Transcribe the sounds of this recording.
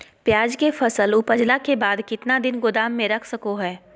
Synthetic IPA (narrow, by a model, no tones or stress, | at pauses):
pjaːd͡ʒkefʰɐsəlʊpəd͡ʒlakebaːd̪kɪt̪nad̪ɪnɡʊd̪aːmːẽɾɐkʰsɐkoɦɛː